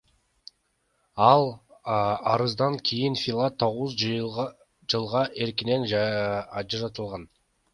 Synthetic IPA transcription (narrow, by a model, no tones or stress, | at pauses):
ɑlˠ | ɑɾɯzd̪ɑŋkʲʰijinfʲilˠat̪ʰːo̞ʁuz | d͡ʒɯlˠʁɑʔe̞ɾkine̞n | d͡ʒɑɾɑt̪ɯlˠʁɑn